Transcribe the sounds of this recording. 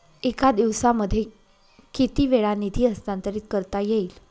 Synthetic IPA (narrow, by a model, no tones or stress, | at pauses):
ekad̪iʋsaməd̪ʱːje | kit̪iːʋeɭanit̪ʰiːəst̪ant̪əɾiːt̪̚kəɾt̪ajeiːl